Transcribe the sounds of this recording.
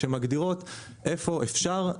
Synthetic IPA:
emaɡd̪iʁo̞t̪ | ʔe̞fo̞ʔefʃaʁ

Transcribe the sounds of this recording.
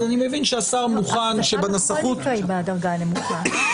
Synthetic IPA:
animevinʃeasaʁmuχanʃebanasaχutajbadɐʁɡalemuta

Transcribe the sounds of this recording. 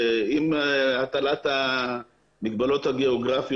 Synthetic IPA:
imat̪alat̪a | miɡbalo̞t̪haɡeoɡʁafij

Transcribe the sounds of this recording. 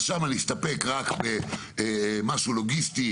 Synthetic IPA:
ʃamaleist̪apekʁakbe | maʃuloɡist̪i

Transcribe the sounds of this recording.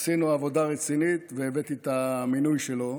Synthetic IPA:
sinuavo̞d̪aʁet͡sinit̪veːvet̪it̪aminujʃe̞lo̞

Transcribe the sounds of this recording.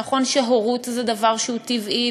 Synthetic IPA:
aχo̞nʃeɦoʁut̪zed̪avaʁʃeut̪ivʔi

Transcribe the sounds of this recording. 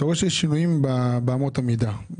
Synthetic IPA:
toʁeʃeʃinujimbabeamotamida

